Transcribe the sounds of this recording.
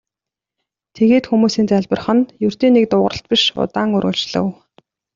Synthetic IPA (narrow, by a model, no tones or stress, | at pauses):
t̪ʰeɣeːt̪xumuːsiːnt͡sæɮʲpə̆rχə̆njɵr̥t̪iːnːek̚t̪ʊːʁə̆ə̆ɬt̪̚piʃʊ̰t̪aːŋɵrɣʊ̆ɬt͡ɕɮə̰̆w